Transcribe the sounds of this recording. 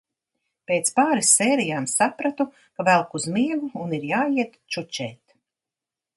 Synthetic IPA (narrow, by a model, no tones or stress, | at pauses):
peːt̪spaːɾisːeːɾijaːmsapɾat̪u | kavælˠkuzmiɛɡuːniɾjaːjiɛt̪t͡ʃut͡ʃɛːt̪